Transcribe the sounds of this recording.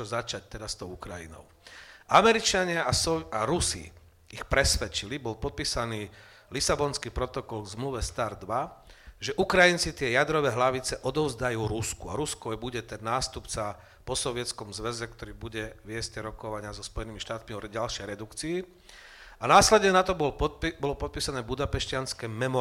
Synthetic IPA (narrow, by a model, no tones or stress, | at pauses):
ɔzat͡ʃac̚t̪ɛd̪ast̪ɔʊukɾajḭnɔ̰ʊʔamɛɾit͡ʃaɲɪaasɔaɾusḭ | ixpɾɛsʋɛt͡ʃilibɔlpɔt̪̚piːsaniː | lisabɔnskiːpɾɔt̪ɔkɔlɡzmluʋɛst̪aɾd̪ʋaʒɛʔukɾajint͡sit̪ɪɛjad̪ɾɔʋɛːɦlaʋit͡sɛʔɔd̪ɔʊzd̪ajuːɾuskua̰ɾuskɔjbuɟɛt̪ɛnːaːst̪upt͡sa | pɔsɔʋɪɛt̪t͡skɔmzʋɛzɛkt̪ɔɾiːbuɟɛʋɪɛscɛɾɔkɔʋaɲɪazɔspɔjɛnimiʃt̪aːt̪miɔɾɟalʃɛjɾɛd̪ukt͡siː | anaːslɛd̪ɲɛnat̪ɔbɔlbɔlɔpɔt̪̚piːsanɛːbud̪apɛʃcɪanskɛmɛmɔ